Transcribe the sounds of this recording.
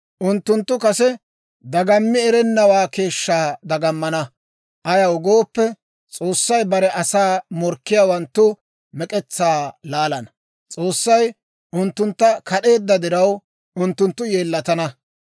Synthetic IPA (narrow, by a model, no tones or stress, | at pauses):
ʔʊnt̪ːʊnt̪ːʊkɐsɛ | d̪ɐɡɐmːɪɛɾɛnːɐwaːke̞ːʃːaːd̪ɐɡɐmːɐnɐ | ʔɐjɐʊɡo̞ːpːɛ | t͡sʼo̞ːsːɐjbɐɾɛʔɐsaːmɔɾkːɪjaːwɐnt̪ːʊ | mɛkʼɛt͡sːaːlaːlɐnɐ | t͡sʼo̞ːsːɐj | ʔʊnt̪ːʊnt̪ːɐkʰɐɗe̞ːd̪ːɐd̪ɪɾɐw | ʊnt̪ːʊnt̪ːʊje̞ːlːɐt̪ɐnɐ